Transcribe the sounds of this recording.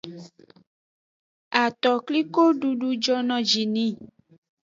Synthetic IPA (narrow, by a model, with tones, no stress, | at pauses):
a˨t̪ɔ˨kli˦ko˦ɖu˧ɖu˧d͡ʒɔ˧nɔ̃˨d͡ʒi˨nĩ˦